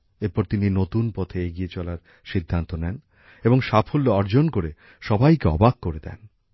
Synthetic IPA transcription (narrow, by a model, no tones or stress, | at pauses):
eɾpɔɾt̪ininot̪unpɔt̪ʰeeɡiet͡ɕɔlaɾ | ʃid̪ʱːant̪onɛn | eboŋʃapʰolːoɔɾd͡ʑonkoɾe | ʃɔbajkeɔ̰baɡkːoɾed̪ɛ̰n